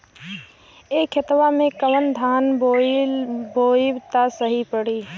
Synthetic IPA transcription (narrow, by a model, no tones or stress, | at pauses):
eːkʰɪt̪ʋamẽkəʋənd̪ʱaːn | boːbt̪asəɦipəɽiː